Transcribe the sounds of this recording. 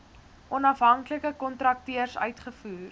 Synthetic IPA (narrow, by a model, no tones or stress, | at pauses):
ʔɔnɐfɦɐŋkləkəkɔntrɐk̚tiərsœ̰ɥtχəfuːr